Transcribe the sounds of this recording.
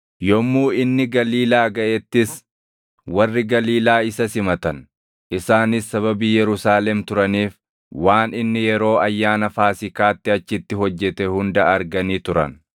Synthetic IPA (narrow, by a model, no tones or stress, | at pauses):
jɔmːuːɪnːɪɡɐliːlaːɡɐʔɛt̪ːɪs | wɐrːɪɡɐliːlaːɪsɐsɪmɐt̪ɐn | ɪsaːnɪsːɐβɐbiːjɛɾʊsaːlɛmt̪ʊɾɐniːf | waːnɪnːɪjɛɾo̞ːɐjːaːnɐfaːsɪkaːt̪ːɪɐt͡ʃːɪt̪ːɪɦɔd͡ʒːɛt̪ɛhʊnd̪ɐɐɾɡɐniːt̪ʊɾɐ̰n